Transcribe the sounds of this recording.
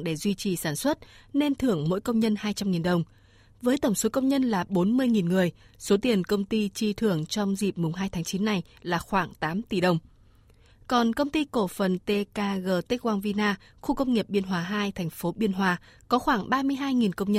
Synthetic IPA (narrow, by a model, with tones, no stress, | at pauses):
ɗe˧˩zwi˧t͡ɕi˨˩saː˧˩nswə˦˥t̚ne˧nt̪ʰɨ˧˩əŋmo̰˧˥jkə˧wŋ͡mɲə˧nhaː˧jt͡ɕa˧mŋi˨˩nɗə˨˩wŋ͡m | vəː˨˦jt̪ə˧˩wŋ͡mso˨˦kə˧wŋ͡mɲə˧nlaː˨˩ɓo˨˦nmɨ˧əjŋi˨˩nŋɨ˨˩əjso˨˦t̪i˨˩ənkə˧wŋ͡mt̪i˧t͡ɕi˧t̪ʰɨ˧˩əŋt͡ɕɔ˧wŋ͡mzḭ˨˩p̚mʊ˨˩ŋ͡mɦaː˧jt̪ʰaː˨˦ŋt͡ɕi˨˦nːa˨˩j | laː˨˩xwaː˧˩ŋt̪aː˨˦mt̪i˧˩ɗə˨˩wŋ͡m | kɔ˨˩nkə˧wŋ͡mt̪i˧ko˧˩fə˨˩nt̪e˧kaː˧ɣəː˧˩t̪i˦˥k̚waː˧nvi˧naː˧ | xu˧kə˧wŋ͡mŋi˨˩əp̚ɓi˧ənɦwaː˧˩ɦaː˧jt̪ʰɛ˨˩jŋ̟fo˨˦ɓi˧ənɦwaː˧kɔ˨˦xwaː˧˩ŋɓaː˧mɨ˧əjɦaː˧jŋi˨˩nkə˧wŋ͡mɲə˧